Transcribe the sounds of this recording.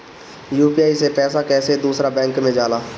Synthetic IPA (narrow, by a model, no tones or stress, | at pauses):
juːpiaːisepɛːsakɛːsed̪uːsɾabɛ̃ːŋkmẽd͡ʒaːlaː